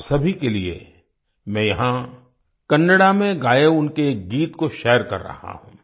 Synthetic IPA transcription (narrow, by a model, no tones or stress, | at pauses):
sɐbʱikeliḛ | mɛ̃ːjɐɦã | kɐ̃nːəɽamẽɡaːjeʊnkeɡiːt̪koʃɛːəɾkɐ̰ɾːɐ̰ha̰ɦṵ̃ː